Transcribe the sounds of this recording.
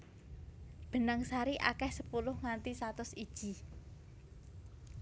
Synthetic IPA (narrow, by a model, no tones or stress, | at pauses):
b̥ə̤naŋsaɾiʔa̰kɛhsəpulʊhŋant̪isat̪ʊsid̥ʒ̥i̤